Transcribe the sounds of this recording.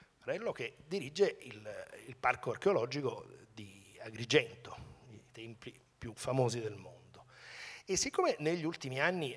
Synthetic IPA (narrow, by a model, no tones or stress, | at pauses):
ɾɛlːok̟ed̪iɾid͡ʒːeililparkoarkeolɔd͡ʒikod̪iaɡɾid͡ʒɛnt̪oit̪ɛmpi | pjufamoːzid̪elmond̪oesːikːoːmeneʎːult̪imianːi